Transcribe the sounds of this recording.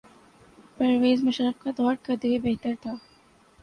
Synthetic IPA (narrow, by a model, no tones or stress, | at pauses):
pɐɾʋeːzmɐʃɾəq̚kad̪ɔːɾkɐɾd̪ewebeɦt̪əɾt̪ʰaː